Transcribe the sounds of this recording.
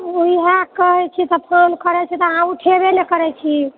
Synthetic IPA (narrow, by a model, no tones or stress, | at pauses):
uiɦakəɦɛt͡ʃʰit̪ɔpʰɾonkəɾɛt͡ʃʰɛt̪ɔəɦãuʈʰebenekəɾɛt͡ʃʰi